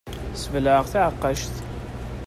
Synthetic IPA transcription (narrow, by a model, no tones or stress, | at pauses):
səvləʁθaʕəqːɑʃθ